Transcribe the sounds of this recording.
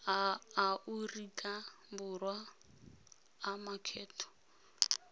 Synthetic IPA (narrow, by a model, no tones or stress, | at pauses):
ʔurikʼa | bʊrwa | makʰɛːtʰɔ̥